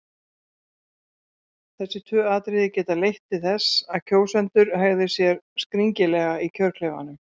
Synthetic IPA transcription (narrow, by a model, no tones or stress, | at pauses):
θɛsːɪt̪ʰœːaːt̪ɾɪðɪcɛːt̪alejht̪ɪθɛsːaðcʰoːwsɛn̥t̪ʏɾhaɣðʏ̥sjɛɾskɾiɲcɪlɛːɣaicʰœɾ̥kʰleva̰nʏm